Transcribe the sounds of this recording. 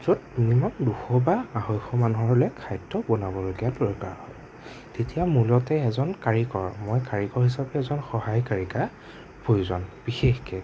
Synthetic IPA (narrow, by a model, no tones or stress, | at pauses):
z̥otnimɔnduxɔbaahojxɔmanuɦɔɹlɛkʰajtːɔbɔnabɔloɡijadɔɹka̰ɹhɔ̰j | tetijamulɔtɛɛzɔnkaɹikɔ̰ɹmɔjkaɹikɔɹhisapɛːzɔnxɔhajkaɹika | pʰojuzɔnb̥ixexkɛ